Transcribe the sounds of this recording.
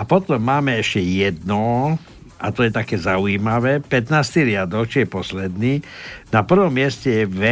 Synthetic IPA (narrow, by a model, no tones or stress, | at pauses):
apɔt̪ɔmːaːmɛɛʃcɛjɛd̪nɔ | ʔa̰t̪ɔjɛt̪akɛːzauiːmaʋɛːpɛt̪naːst̪iɾɪad̪ɔkt͡ʃijɛpɔslɛd̪niːnapr̩ʋɔmːɪɛscɛjɛʋɛ